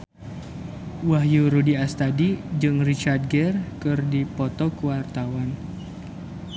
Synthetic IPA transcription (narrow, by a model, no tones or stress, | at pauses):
waɦjuɾudiast̪adid͡ʒɨŋrit͡ʃard̪̚ɡɛrkɨrdipɔt̪ɔkuwart̪awan